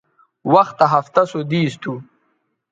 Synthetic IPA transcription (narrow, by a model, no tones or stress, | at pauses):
wɐxt̪aɦaft̪asod̪iːst̪ʰu